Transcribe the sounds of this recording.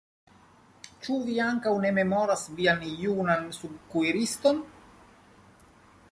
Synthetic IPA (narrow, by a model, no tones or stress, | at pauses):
t͡ʃuviaŋkawne̞me̞moɾasvianjunansubkuiɾist̪on